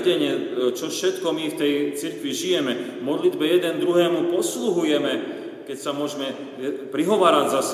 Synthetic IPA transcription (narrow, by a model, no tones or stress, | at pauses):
ɟɛɲɪɛt͡ʃɔfʃɛt̪kɔmift̪ɛjt͡siɾkʋiʒijɛmɛ | mɔd̪lid̪bɛjɛd̪ɛnd̪ɾuɦɛːmupɔsluɦujɛmɛ | kɛcsamʊɔʒmɛ | pɾiɦɔʋaːɾaɟzas